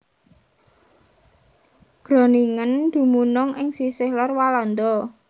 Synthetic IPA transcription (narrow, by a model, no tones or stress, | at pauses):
ɡ̥ɾo̤niŋənd̪̥ṳmunʊŋʔɪŋsisɪhlɔrwalɔnd̪ɔ